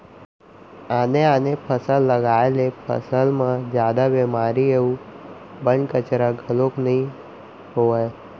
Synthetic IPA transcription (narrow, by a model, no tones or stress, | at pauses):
aːneaːnepʰəsəlːəɡaːelepʰə̰səlmãd͡ʒjaːd̪abeːmaːɾieːũbə̃nkət͡ʃɾaɡʱəloknəɦĩ | ɦoae